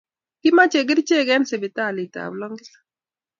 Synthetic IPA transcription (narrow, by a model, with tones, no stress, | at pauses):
kɪ˦ma˦t͡ʃe˨ɡɪ˦ɾt͡ʃe˦˨ɡɛ˦nsɪ˨bɪ˨ta˦˨lɪ˨ta̰˨blɔ˦ŋɡɪ˦lḁ